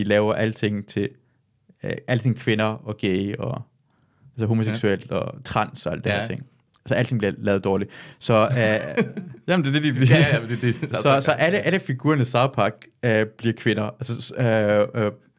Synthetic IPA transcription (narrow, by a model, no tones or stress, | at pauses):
ilɛːʊɐʔælət͡sʰe̝ŋ̰t͡sʰe̝ | ʔæl̰əe̝ŋkʰʋe̝nɐɒ̽ɡ̥eɪɒ | ælsəɦo̝mo̝seɡsuel̰d̥ɒ̽t͡sʰʁɑ̈n̰sɒ̽æl̰d̥eheɐt͡sʰe̝ŋ̰ | ælsɒæl̰t͡sʰe̝ŋb̥liɐlɛːð̞̩ˠd̥ɒːlisɒ̽ | jæmndeɐd̥ed̥i̥ | sɒ̽sɒ̽ʔæləʔæləfiɡ̥uːɐnəsɑ̈ʊpʰɑ̈ɡ̥b̥liɐkʰʋe̝nɐʔælsə